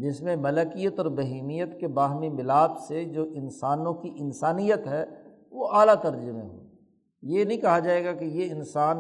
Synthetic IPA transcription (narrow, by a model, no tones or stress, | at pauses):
d͡ʒɪsmẽmɐləkijət̪ɔːɾbɐɦiːmijət̪kebaːɦmimɪlaːbsed͡ʒoːʔɪnsaːnõkiʔɪnsaːnijət̪ɦɛ | ʋoʔaːlat̪ɐɾd͡ʒəmḛ̃ɦo̰ː | jenɐɦĩkɐɦad͡ʒaːeːɡakejeɪnsaːn